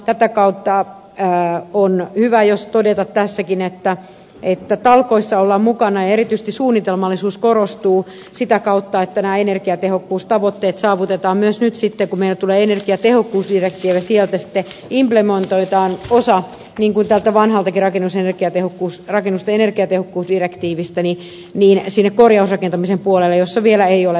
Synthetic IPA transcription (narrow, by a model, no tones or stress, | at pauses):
t̪æt̪ækɑut̪ːɑ | onhyʋæjost̪odet̪ɑt̪tæsːækinet̪ːæ | et̪ːæt̪ɑlkoisːɑolːɑmmukɑnɑjɑerit̪yisĕ̥st̪isuːnːit̪elmɑlːisuːskorost̪uː | sit̪ækɑut̪ːɑet̪ːænæːenerkiɑt̪ehokːuːst̪ɑʋot̪ːeːt̪sɑːʋut̪et̪ɑːmmyøsnyt̪sit̪ːekumeilːæt̪uleːenerkiɑt̪ehokːuːsdirek̚t̪iːʋæsiɛlt̪æsi̥t̪ːeimplemont̪oit̪ɑːnosɑ | niːŋkunt̪ælt̪æʋɑnhɑlt̪ɑkirɑkenːusenerkiɑt̪ehokːuːsrɑkenːust̪ɑenerkiɑt̪ehokːuːsdirekt̪iːʋist̪æni | niːnsinːekkorjɑusrɑkent̪ɑmisempuolelːejosːɑʋielæeiole